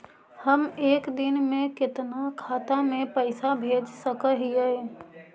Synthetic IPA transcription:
həmeːkd̪ɪnmẽkɪt̪nakʰaːt̪amẽpəɪsabʱeːd͡ʒsəkəɦɪe

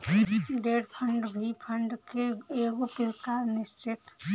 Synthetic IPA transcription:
ɖeːɖpʰəɳɖbʱipʰəɳɖkeeːɡopɪlkaːɾnɪst͡ʃɪt̪

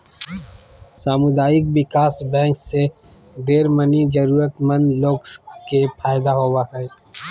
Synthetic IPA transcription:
saːmʊd̪aːjɪk̚bɪkaːsbɛ̃ːŋkse | d̪eːɾmənid͡ʒəɾuːɾət̪mənloːɡkepʰaːjɪd̪aɦoːwaɦɛː

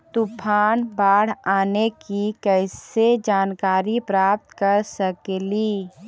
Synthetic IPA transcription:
t̪upʰaːnbaːɽ̤aːnekikɛɪsed͡ʒaːnkaːɾipɾaːp̚t̪kəɾsəkeliː

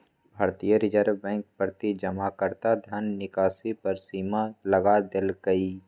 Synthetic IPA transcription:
bʱaːɾt̪ijəɾɪd͡ʒəɾbɛ̃ːŋk̚pɾət̪id͡ʒəmakəɾt̪ad̪ʱənːɪkaːsipɐɾsiːmalɐɡad̪ɪlɡəiː

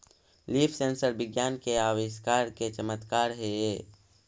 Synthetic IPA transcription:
liːpʰseːnsəɾbɪɡjaːnkeaːʋɪʃkaːɾket͡ʃəmət̪kaːɾɦee

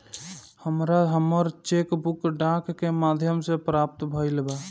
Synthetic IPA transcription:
həmɾaɦəməɾt͡ʃekbʊkɖãkːemaːd̪ʱjəmsepɾaːp̚t̪bʱəilba

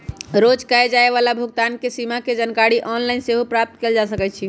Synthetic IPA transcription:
ɾod͡ʒkaed͡ʒaeʋalabʱuɡ̚t̪ankesimaked͡ʒənkaɽiʔɔnlainseɦopɾap̚t̪keld͡ʒasəkɛt͡ʃʰi

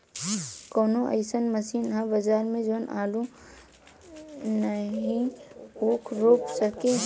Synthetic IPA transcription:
kɔːnõʔə̰ɪsənmɐsiːnɦɐ̃bɐd͡ʒaːɾmẽd͡ʒoːnʔaːlu | nəɦĩuːkʰɾoːpsəkẽ

